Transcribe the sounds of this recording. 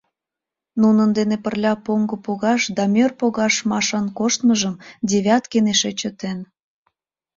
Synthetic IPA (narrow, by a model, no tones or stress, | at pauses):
nunənd̪enepərlʲɑpoŋɡəpoɣɑʃd̪ɑmʲørpoɣɑʃmɑʃɑnkoʃt̪məʒəmd̪ʲeβʲɑt̪keneʃet͡ɕət̪en